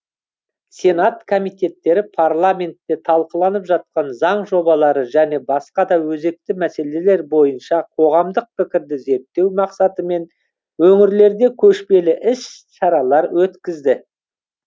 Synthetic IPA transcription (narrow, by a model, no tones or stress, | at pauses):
sʲe̞nat̪kʰo̞mijt̪e̞t̪ːe̞ɾɪpʰaɾlˠamʲe̞nt̪ːe̞t̪ʰɑlˠqəlˠɑnəpʒɑt̪̚qɑnzɑɴʒo̞bɑlˠɑɾəʒæne̞bɑsqɑd̪ɑwɵze̞k̚t̪ɪmæse̞le̞le̞ɾbo̞jənʃɑqʰo̞ʁɑmd̪əq̚pɪkʲɪɾd̪ɪze̞ɾt̪ːe̞wmɑqsɑt̪əme̞n | wɵŋɪɾle̞ɾd̪e̞kʲʰɵʃpe̞lɪʔɪs | ʃɑɾɑlˠɑɾwɵt̪kʲɪzd̪ɪ